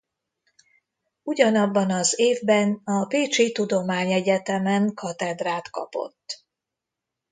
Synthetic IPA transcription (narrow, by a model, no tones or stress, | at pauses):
uɟɒnɒbːɒnɒzeːvbɛnɒpeːt͡ʃit̪ud̪o̞maːɲɛɟɛt̪ɛmɛŋkɒt̪ɛd̪raːt̪kɒ̰po̞̰t̪ː